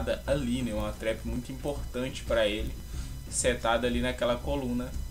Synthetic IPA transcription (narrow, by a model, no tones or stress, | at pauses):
d̪ɐalĩnɐɛũmɐt̪ɾɛpɪmũj̃t̪uĩpoɾt̪ɐ̃nt͡ʃɪ̥pɾɐelɪ | set̪ad̪ɐalinɐkɛlɐkolũnɐ